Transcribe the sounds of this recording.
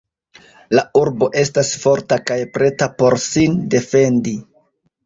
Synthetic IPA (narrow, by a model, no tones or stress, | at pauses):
lauɾbo̞ʔe̞stasfo̞ɾtakajpɾe̞tapo̞ɾsinde̞fe̞ndi